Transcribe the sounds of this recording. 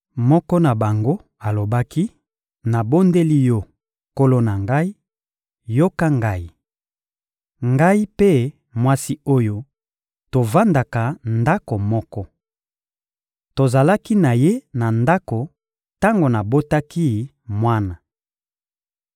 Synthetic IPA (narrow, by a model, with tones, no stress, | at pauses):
mɔ˦kɔ˦na˨ba˨ŋɡo˦ | a˨lo˨ba˦ki˦ | na˨bo˦nde˦li˦jo˦ | ko˦lo˦na˨ŋɡa˦i˦ | jo˦ka˦ŋɡa˦i˦ | ŋɡa˦i˦pe˦ | mwa˦si˦o˦jo˦ | to˨va˦nda˨ka˨nda˦ko˨mɔ˦kɔ˦ | to˨za˨la˦ki˦na˨je˦na˨nda˦ko˨ | ta˦ŋɡo˨na˨bo˦ta˦ki˦ | mwa˦na˨